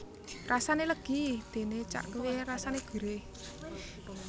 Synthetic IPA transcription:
rasaneləɡ̥id̪̥e̤net͡ʃa̰ʔkəwerasaneɡ̥ṳɾe

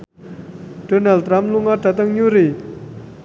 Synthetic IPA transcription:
d̥onalrampluŋart̪at̪aŋɲureʔ

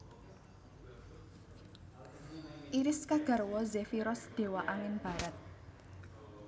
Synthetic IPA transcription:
ʔiɾɪskaɡ̥a̤rwɔzɛfiɾɔsd̥e̤waʔaŋɪnb̥a̤ɾat̪̚

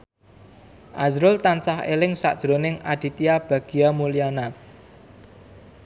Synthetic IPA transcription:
ʔazɾʊlt̪ant͡ʃahḛlɪŋsa̰ʔd̥ʒ̥ɾonɪŋad̪̥i̤t̪iab̥a̤ɡ̥i̤amuliana

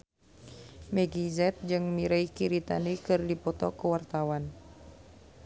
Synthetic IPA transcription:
mɛɡizɛt̪̚d͡ʒɨŋmiɾaikiɾit̪a̰nikɨrdipɔt̪ɔkuwart̪awan

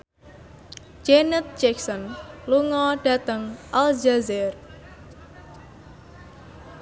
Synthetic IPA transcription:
d͡ʒenət̪̚d͡ʒɛksɔnluŋɔɖ̥a̤t̪əŋʔald͡ʒazɛr

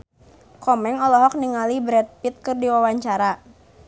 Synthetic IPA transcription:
kɔmɛŋɔlɔɦɔk̚niŋalibɾɛt̪̚pit̪̚kɨrdiwawaɲt͡ʃaɾa

